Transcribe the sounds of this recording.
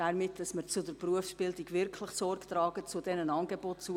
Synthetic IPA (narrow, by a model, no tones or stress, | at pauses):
aɾmɪtd̥ɑsməɾt͡sʊdəɾpruəfsb̥ɪldɪɡʋɪɾkʰlɪχsɔɾkt̪ɾɑːɡət͡sʊdɛnənɑnɡebot̚t͡su